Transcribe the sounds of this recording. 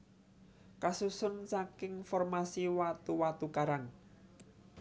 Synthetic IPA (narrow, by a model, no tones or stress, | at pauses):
kasusʊnsakɪŋfɔrmasiwat̪uwat̪ukaɾaŋ